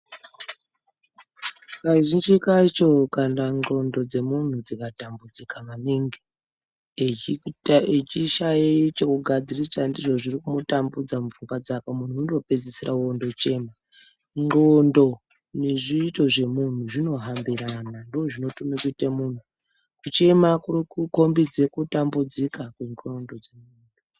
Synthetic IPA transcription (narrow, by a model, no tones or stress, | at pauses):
kaʒind͡ʒikat͡ʃo̞kandaŋ͡ǃo̞ndo̞d͡ze̞mun̤ud͡zikatambud͡zikamaniːŋɡi | ed͡ʒitaet͡ʃiʃait͡ʃekuɡʱad͡zirisandiʐo̞ʐirikumotambud͡zamufuŋɡwad͡zakamun̤uunrope̞d͡zisiɾʔauondo̞t͡ʃe̞ːma | ŋ͡ǃondo̞ | neʐiːto̞ʐe̞mun̤uʐino̞ɦambiɾanandooʐino̞tumekuitamun̤u | kut͡ʃe̞makurikuko̞mbid͡ze̞kutambud͡zikakweŋo̞ndo̞d͡zemuːndo